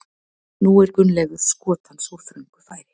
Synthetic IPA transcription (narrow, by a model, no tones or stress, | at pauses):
nuɛɾkʏnlɛɣʏɾ̥skɔːt̪hanːsuɾθɾʏŋkʏ̥faːjɾɪ